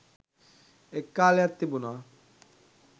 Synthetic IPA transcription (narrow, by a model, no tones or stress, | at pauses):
ekːalat̪ːibuna